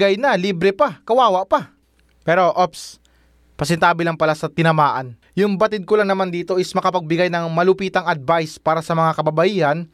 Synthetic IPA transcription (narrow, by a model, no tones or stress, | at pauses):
ɡajnɐliːbɾɛpakɐwaːwɐʔpa | pɛːɾo̞ʔops | pɐsɛnt̪aːbɪlaŋpɐlasɐt̪ɪnɐmaːʔɐn | jʊŋbɐt̪ɪd̪̚kʊlaŋnɐmand̪iːt̪o̞ʔɪsmɐkɐpɐɡ̚bɪɡajnɐŋmɐlʊpiːt̪ɐŋɐd̪̚vajspaːɾɐsɐmɐŋakɐbɐbɐʔiːhɐn